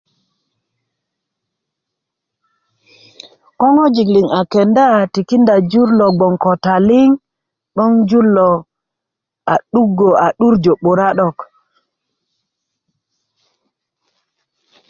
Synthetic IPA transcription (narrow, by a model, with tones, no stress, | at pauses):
ko˦ŋo˦d͡ʒi˨kli˨ŋa˨ke˨nda˦˨ti˨ki˦nda˨d͡ʒu˦ɾlo˨ɡ͡bo˨ŋko˨ta˨li˦ŋ | ɗɔ˦ŋd͡ʒu˦lo˨ | a˨ɗu˦ɡo˨a˨ɗu˦ɾd͡ʒo˨ɓo˨ɾa˦ɗɔ˦˨k